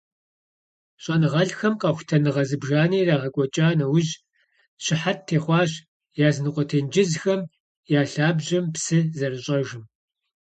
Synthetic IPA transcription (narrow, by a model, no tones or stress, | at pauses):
ɕʼɐnɨʁɐɮxɐmqʼɑːxʷtʰɐnɨʁɐzɨbʒaːniːraːʁɐkʷʼɔt͡ʃʼaːnɐwʊʑ | ɕɪħattʰːeːχʷɑːʑ | jaːznɨqʷʼɔtʰɐnd͡ʒɪzxɐm | jaːɬaːbʑɐmpsɨzɐrɨɕʼɐʒɪm